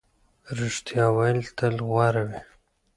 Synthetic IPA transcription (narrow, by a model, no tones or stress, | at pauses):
ɾuʂt̪ijɑwalt̪ʰəlɣwɑɾawi